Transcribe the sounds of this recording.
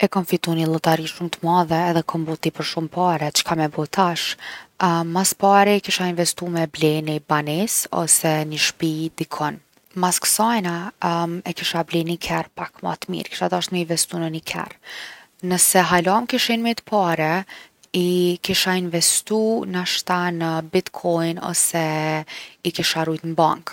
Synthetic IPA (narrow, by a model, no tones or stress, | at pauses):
ɛkɔnfit̪unilˠɔt̪aɾiʃumt̪əmaðɛːðɛkʰɔmbɔt̪ipəɾʃumpaɾɛt͡ʃə̥kʰamɛbɔt̪ʰaʃ | mːaspaɾikiʃainvɛst̪umɛblɛnibanɛsɔ̰sɛnəʃpid̪ikʰɔn | maskə̥sajna | ɛkiʃablɛnikʰɛɾpakma̰t̪mḭɾki̥ʃad̪aʃt̪məinvɛst̪unənikʰɛ̰ɾ | nəsɛɦalɔmkiʃinmit̪ə̥pʰaɾɛ | ikiʃainvɛst̪unaʃt̪anəbit̪kʰɔjnɔ̰sɛ | ikiʃaɾujt̪nbaŋk